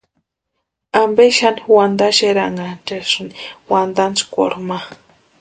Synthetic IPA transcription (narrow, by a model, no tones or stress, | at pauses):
ambeʃaniwand̪aʃeɾaŋɡant͡ʃeʃunwand̪ant͡skʷo̰ɾma